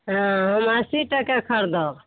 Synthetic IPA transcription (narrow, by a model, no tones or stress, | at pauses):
ɦãɦəmasiʈəkekʰəɾd̪ɔ